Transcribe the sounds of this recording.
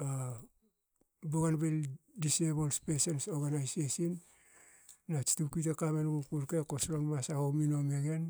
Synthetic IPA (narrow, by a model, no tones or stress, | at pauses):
a | boɡanbeldisebolspesensoɾɡanajsesinː | at͡ʃi̥tukitakamenɡukuɾkekosɾonmasahowmino̞me̞ɡe̞n